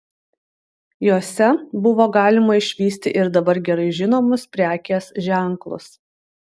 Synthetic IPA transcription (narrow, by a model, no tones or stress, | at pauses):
joːsʲɛbʊʋoːɡɑːlʲɪmɐɪʃʲʋʲiːsʲt̪ʲɪʔɪɾd̪ɐbɐɾɡʲɛɾɐɪʒʲɪnoːmʊspʲɾʲæːkʲeːsʒʲæˑŋklˠʊ̰s